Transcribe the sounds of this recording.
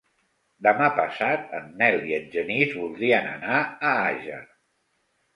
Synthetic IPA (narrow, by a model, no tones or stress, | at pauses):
d̪əmapəsat̪ənːɛlˠiənʒənizβulˠd̪ɾiənə̰naəaʒə̰